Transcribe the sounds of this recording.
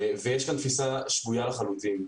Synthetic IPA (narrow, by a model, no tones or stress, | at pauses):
vejɛʃkant̪fisaʃvujalaχalut̪im